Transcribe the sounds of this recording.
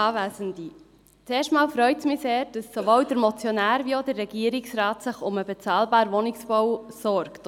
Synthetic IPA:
ɑːvæːzəndi | t͡seːʃtmɑːlfɾœʏtsmɪseːd̥ɑsːoʋowdəɾmɔt͡sjɔnæːɾʋiodərːɛɡiəɾɪksrɑːtsɪχʊməbɛt͡sɑːlbɑːɾʋɔnɪksb̥ɔwsɔɾkt

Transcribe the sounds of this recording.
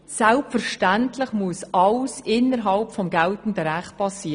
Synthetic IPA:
sælpfəɾʃtæntlɪχmuəsʔɑlsɪnːəɾɦɑlpfɔmɡæltn̩d̪əɾæχt̚pʰɑsiː

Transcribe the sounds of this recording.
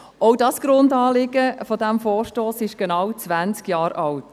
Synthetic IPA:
ɔʊdɑsɡ̥ɾʊndɑːlɪɡəfɔdæmfɔːɾʃtoːsɪʃɡ̥enɑwt͡svænt͡skjɑːɾɑlt

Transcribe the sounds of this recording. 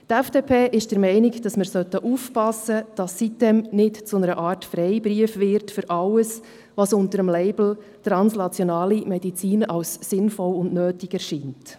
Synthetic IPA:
tɛfd̥eːpʰeːʔɪʃd̥əɾmɛɪnɪkd̥ɑsməɾsœtəʔuːfpɑsəd̥ɑsːit̚dɛmnɪtt͡sʊnəɾəʔɑːɾtfɾɛɪbɾiəfʋɪɾtfʏɾʔɑləs | ʋɑsʊntəɾəmlɛɪbl̩ | tɾɑnsnɑt͡sjɔnɑːlimɛdit͡siːnɑʊsːɪnfɔlʊndnøːtɪɡɛɾʃiːnt

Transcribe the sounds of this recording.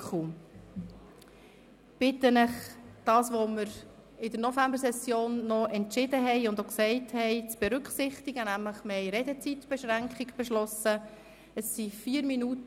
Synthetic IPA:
u | b̥ɪtənəχd̥ɑːsʋoməɾ | ɪdəɾnɔfæmbəɾsɛsjoːnːɔʔɛntʃɪd̪əɦɛɪʊnd̪oksɛɪthɛɪt͡sb̥ɛɾʏkχsɪχt̪ɪɡənæmləχmɛɪɾedɛt͡sitb̥ɛʃɾæŋkχɪɡb̥ɛʃlɔsə | əsːifiːəɾminut

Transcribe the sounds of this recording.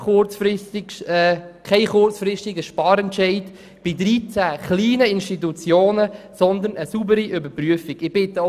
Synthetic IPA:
χʊt͡sfɪsti | kʰaɪχʊrt͡sfɾɪstiɡəʃpɑːɾɛntʃɛɪd | b̥ɪd̪ɾiːt͡sæːχliːnəɪnʃtit̪ut͡sjoːnəsɔnd̪ənəsubəɾiʔʏbəpryəfiɡɪb̥ɪt̪ə

